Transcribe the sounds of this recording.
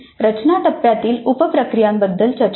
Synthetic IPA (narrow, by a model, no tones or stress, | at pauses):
ɾət͡ɕnat̪əpːjat̪iːlupəpɾəkɾijambəd̪ːəlt͡ɕəɾt͡ɕ